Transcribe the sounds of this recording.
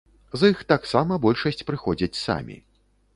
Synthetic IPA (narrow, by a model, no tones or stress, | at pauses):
zɨxt̪aksamɐbɔlʲʂɐsʲt͡sʲpɾɨxɔd͡zʲɐt͡sʲsa̰mʲḭ